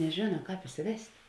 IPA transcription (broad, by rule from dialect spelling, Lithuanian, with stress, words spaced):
nʲɛˈʒʲeːnɐ ˈkɑːp ɪsʲɪˈʋʲɛsʲtʲ